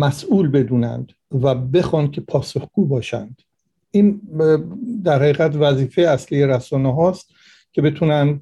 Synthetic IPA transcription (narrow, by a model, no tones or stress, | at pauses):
mæsʔuːlbe̞d̪uːnæ̰nd̪ | væbe̞xɒːnkʲʰe̞pʰɒːso̞xɡ̥uːbɒːʃæ̰nd̪̥ | ʔiːn | d̪æɾhæɣiːɣæt̪væziːfejeæslijeɾæsɒːneɦɒːst̪ | cʲʰe̞be̞t̪ʰuːnænd̪